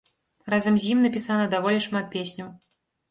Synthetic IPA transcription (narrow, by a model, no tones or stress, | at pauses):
razɐmzʲjimnɐpʲisanɐd̪avɔlʲiʂmat̪̚pʲesʲnʲɐw